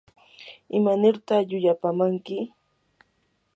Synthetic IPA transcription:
ɪmanɪɾt̪aχʎʊʎapamaŋkɪ

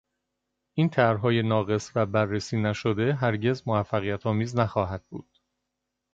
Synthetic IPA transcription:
ʔiːnt̪ʰæɾɦɒːje̞nɒːɣe̞svæbærːesiːnæʃod̪e̞ɦæɾɟe̞zmovæfːæɣijæt̪ʰɒːmiːznæxɒːɦæd̪̥̚bṵːd̪̥̚

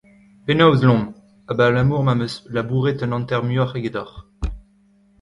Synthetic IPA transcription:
penawzlɔ̃ | abalamuːʁmamøslabuʁet̪ɛ̃nɑ̃nt̪ɛʁmøaχeɡed̪aχ

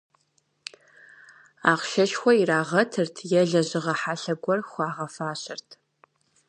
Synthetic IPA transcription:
aːqʃɐʃxʷɔiraːʁɐtʰɨrtʰjɛɮɐʑɪʁɐħaɬɐɡʷɔrxʷɑːʁɐfaːɕɪrtʰ

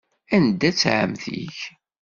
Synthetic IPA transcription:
ænd̪æt͡sːʕə̰mθḭç

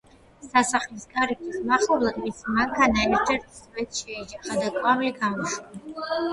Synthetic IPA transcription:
sasaχlisɡʼaɾikʰʼismaχɔblˠad̪mismaŋkʰanaɛɾd͡ʒʰɛɾt̪ʰsvɛt̪ʃɛid͡ʒɛχad̪akʼwamiliɡamɔʃa

